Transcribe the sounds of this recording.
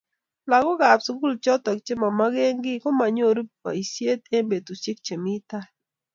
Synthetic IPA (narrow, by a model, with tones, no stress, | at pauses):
la˨ɡɔ˦ɡa˨psu˦ɡu˦lt͡ʃɔ˦t̪ɔ˨kt͡ʃe˦ma˨ma˦ɡe˦ŋɡɪ˦kɔ˦ma˨ɲo˦˨ɾu˦ppa̰˨i˨sje˦t̪e˦mbe˨t̪u˨si˦k̚t͡ʃe˨mi˦t̪a˦